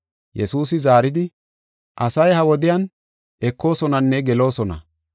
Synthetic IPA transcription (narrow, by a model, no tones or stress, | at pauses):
jʔɛsuːs̬ɪzaːɾɪd̪ɪ | ʔɐsɐjhɐwɔd̪ɪjɐn | ʔɛkːo̞ːsɔnɐnːɛɡɛlo̞ːsɔnɐ̰